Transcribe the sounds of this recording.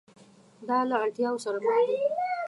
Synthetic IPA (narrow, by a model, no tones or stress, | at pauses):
d̪ɑlaːɽt̪jɑwosaɾaməxd̪i